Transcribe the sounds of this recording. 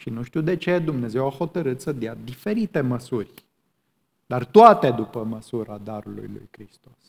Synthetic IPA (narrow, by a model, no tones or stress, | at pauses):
ʃinuʃt̪uwd̪e̞t͡ʃe̞d̪umne̞ze̞waho̞t̪əɾɨt̪səd̪jad̪ife̞ɾit̪e̞məsurʲ | d̪̥art̪oat̪ed̪upəməsuɾad̪aɾulṵjlṵjkɾist̪o̞s